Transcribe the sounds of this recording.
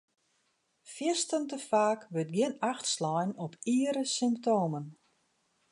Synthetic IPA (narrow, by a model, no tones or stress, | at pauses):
fjɪstəntəfaːkʋøt̚ɡjɪnaxtslɔjnɔpʰiːəɾəsymptoːmən